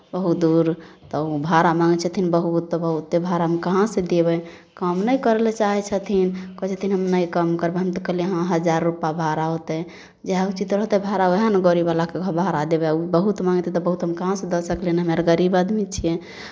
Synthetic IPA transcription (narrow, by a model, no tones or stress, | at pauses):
bəɦut̪̚d̪uɾt̪ɔbʱaɾamaŋɡt͡ʃʰət̪ʰinbəɦut̪ːɔbəɦut̪ːebʱaɾamekəɦãsẽd̪ebɛ | kəmnəjkəɾelet͡ʃaɦɛt͡ʃʰət̪ʰinkɔt͡ʃʰet̪ʰinɦəmnəjkəmkəɾbeɦəmt̪ɔkəɦleɦãɦəd͡ʒaɾːupabʱaɾaɦot̪ɛ | d͡ʒeɦut͡ʃit̪ɾɦot̪ɛbʱaɾaoɦanəɡoɾibalakeɡʱəbʱaɾad̪ebɛubəɦut̪mãŋɡt̪ɛ̃t̪ɔbəɦut̪ɦəmkəɦãsẽd̪ɔsəklenɦəmeɾɡəɾibad̪mit͡ʃʰije